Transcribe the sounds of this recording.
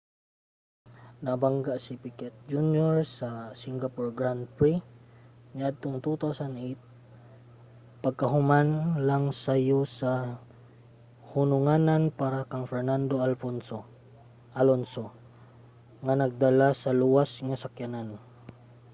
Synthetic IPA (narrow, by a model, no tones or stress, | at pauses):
nabaŋɡaʔsipikɛt̪̚d͡ʒunjoɹsasiŋɡapɔɹɡɹand̪̚pɹi | ɲaʔad̪̚t̪oŋt̪ut̪awsanʔejt̪̚ | pɐɡ̚kɐɦʊmanlaŋsajosa | hʊnʊŋananpaɾakaŋfɛɹnand̪oalfonso | ʔalonso | ŋanɐɡ̚d̪alasɐluwasŋasakjanan